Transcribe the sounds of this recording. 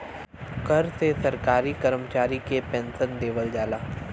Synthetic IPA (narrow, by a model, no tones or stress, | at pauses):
kɐɾsesɐɾkaːɾikəɾəmt͡ʃaːɾikepɛ̃ːnsənd̪eːʋəld͡ʒaːlaː